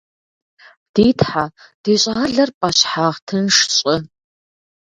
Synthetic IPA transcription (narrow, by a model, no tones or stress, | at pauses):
d̥iːtʰħa | d̥iːɕʼaːɮɐrpʼɐɕħaːʁtʰɨnʂɕʼɪ